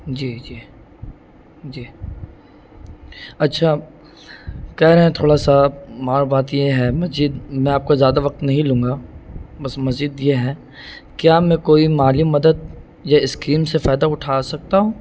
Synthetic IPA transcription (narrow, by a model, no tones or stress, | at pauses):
d͡ʒiːd͡ʒiː | d͡ʒiː | ɐtːʃʰa | kɛɦɾɛɦẽt̪ʰoːɽasamaːɾbaːt̪jeɦɛmɐzd͡ʒid̪mɛ̃aːp̚kazjaːd̪aʋɐq̚t̪nɐɦĩlũːŋɡabɐsmɐzd͡ʒid̪jeɦɛː | kjaːmɛ̃koːimaːlimɐd̪əd̪̚ | jaɪskɾiːmsefaːd̪aʊʈʰaːsɐk̚t̪aɦũː